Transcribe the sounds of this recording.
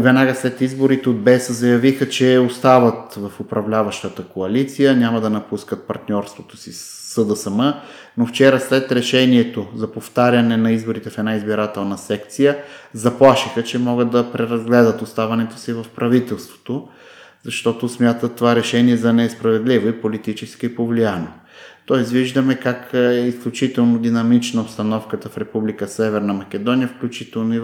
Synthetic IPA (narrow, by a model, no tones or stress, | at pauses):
vɛnaɡəslɛt̪izboɾit̪ɛod̪̚bɛsəzɐjɐvixət͡ʃɛost̪avɐt̪vɐfopɾɐvlʲavɐʃt̪ət̪əkoɐlit̪sijənʲamɐd̪ɐnɐpuskət̪̚pɐɾt̪nʲɔɾst̪vot̪o̥sisː | əd̪əsəmə | noft͡ʃɛɾəslɛt̪ɾɛʃɛniɛt̪ozɐpoft̪aɾʲɐnɛnɐizboɾit̪ɛfɛd̪naizbiɾat̪ɛlˠnɐsɛkt̪sijəzɐplˠaʃixət͡ʃɛmɔɡəd̪ɐpɾɛɾɐzɡlɛd̪ət̪ʊst̪avɐnɛt̪o̥sivɐfpɾɐvit̪ɛlˠst̪vo̥t̪o | zɐʃt̪ɔt̪osmʲjat̪ət̪ːovaɾɛʃɛniɛzɐnɛɛspɾɐvɛd̪livoipolit̪it͡ʃɛskiipovlijano | t̪ɔɛsviʒd̪əmɛkakɛisklʲut͡ʃit̪ɛlˠnod̪inɐmit͡ʃnɐopst̪ɐnɔfkət̪əfɾɛpublikəsɛvɛɾnɐmɐk̟ʲɛd̪ɔnijəfklʲut͡ʃit̪ɛlˠnoi